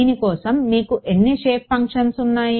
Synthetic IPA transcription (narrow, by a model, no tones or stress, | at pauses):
nikɔːsɐmːiːkuʔenːiʃeːppɐŋkʂɐnsunːaːj